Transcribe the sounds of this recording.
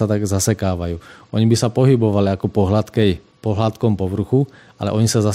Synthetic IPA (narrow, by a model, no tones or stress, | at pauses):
at̪aɡzasɛkaːʋajuːɔɲibisapɔɦibɔʋaliakɔpɔɦlat̪kɛj | pɔɦlat̪kɔmpɔʋr̩xu | a̰lɛ̰ʔɔɲisaza